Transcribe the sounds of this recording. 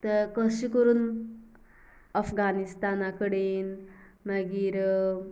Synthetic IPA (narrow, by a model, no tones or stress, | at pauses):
t̪əɾkəɕikəɾuːn | əfɡanist̪anakəɽeːnməɡiːɾ